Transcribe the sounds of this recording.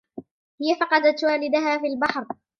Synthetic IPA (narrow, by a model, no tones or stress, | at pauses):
hɪjafɑqɑd̪at̪waːlɪd̪aɦaːfiːlbaħɾ